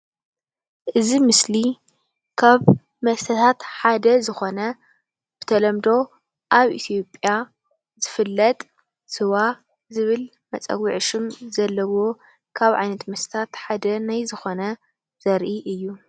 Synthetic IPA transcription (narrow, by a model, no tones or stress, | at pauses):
ʔɨzimɨsli | kʰaβ | mɐst̪ʰɐt̪ʰat̪ħad̪ɐzɨxo̞nɐ | b̥ɨ̥t̪ʰɐlɐmd̪o̞ | ʔaβʔḭt̪ʰijo̞pʼja | z̥ɨfɨlːɐt̪ʼ | sɨwa | zɨβɨl | mɐt͡sʼɐ̰ɡiʕʃɨmzɐlːɐwo̞ | kʰaβʕa̰jnɐt̪mɐst̪ʰɐ̥t̪ʰat̪ħad̪ɐnajzɨxo̞nɐ | z̥ɐɾʔiʔɨjːu